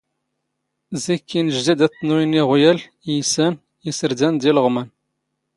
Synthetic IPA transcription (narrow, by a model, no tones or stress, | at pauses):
zikːinəʒd̪id̪æt̪ːnuəniʁʊjæl | ijsæn | isəɾd̪ænd̪ilʁmən